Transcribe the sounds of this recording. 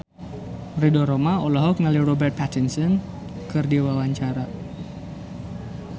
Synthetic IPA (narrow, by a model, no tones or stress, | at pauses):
ridɔɾomaolaɦɔk̚ŋalirɔbɛrt̪̚pʰat̪insɔn | kɨrdiwawaɲt͡ʃaɾa